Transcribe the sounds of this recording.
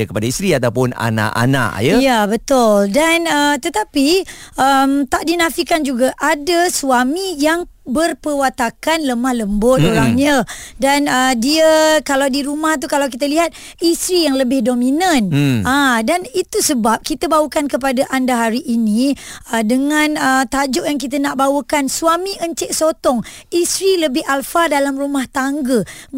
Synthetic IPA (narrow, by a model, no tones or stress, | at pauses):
əkəpadaist̪ɾiat̪apʊna̰na̰ʔa̰na̰ʔjəjabət̪ʊldanət̪ət̪apiʔəmt̪aʔdinafikand͡ʒuɡaʔadasuwamijaŋbərpəwat̪akanləmahləmbʊt̪̚oɾaŋɲadanədiakalawdiɾumaht̪̬ukalawkit̪aliɦat̪̚ | ist̪ɾijaŋləbɪhdomĩnənadanit̪usəbap̚kit̪abawəkankəp̬adaʔandaɦaɾiʔinĩədəŋãnət̪ad͡ʒʊʔjaŋk̬it̪̬ənaʔbawəkanswamiʔəɲt͡ʃɪʔsot̪ɔŋ | isɾiləbɪɦalfadalamrumaht̪aŋɡə